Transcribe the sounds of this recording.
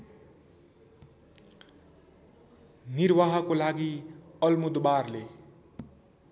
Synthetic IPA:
niɾwaɦʌkolaɡiʌlmud̪barle

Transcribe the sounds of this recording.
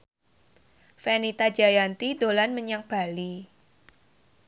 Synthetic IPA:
fɛnit̪ḁd͡ʒajant̪id̪olanməɲaŋb̥a̤li

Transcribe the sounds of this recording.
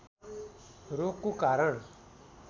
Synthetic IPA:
ɾoːkːukaːɾəɳ

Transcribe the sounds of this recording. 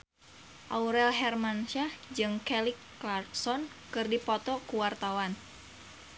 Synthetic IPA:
ʔauɾɛlɦɛrmanʃad͡ʒɨŋkɛlikː | larsɔnkɨrdipɔt̪ɔkuwart̪awan

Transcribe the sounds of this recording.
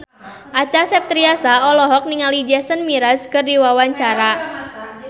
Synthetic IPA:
ʔat͡ʃasɛp̚t̪ɾiasaɔlɔɦɔk̚niŋalid͡ʒɛsənmiɾaskərdiwawaɲt͡ʃaɾa

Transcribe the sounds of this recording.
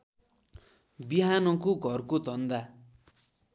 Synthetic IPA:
biɦanʌkoɡʱʌrkod̪ʱʌnd̪a

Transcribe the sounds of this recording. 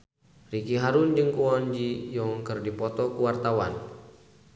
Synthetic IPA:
rikiɦaɾund͡ʒɨŋkuɔnd͡ʒijɔŋkɨrdipɔt̪ɔkuwart̪awan

